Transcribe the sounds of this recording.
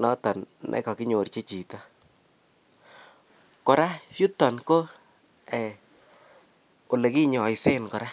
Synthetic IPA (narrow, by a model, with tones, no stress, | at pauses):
nɔ˦ta˨nnʔɛ̰˨ka˨ki˦ɲo˨ɾt͡ʃe˦t͡ʃi˨ta˦ | kɔ˨ɾa˦ju˦tːɔ˨nko˦ | ɛ˨ | o˨le˨ki˦ɲɔ˨jse˦nkɔ˨ɾa˦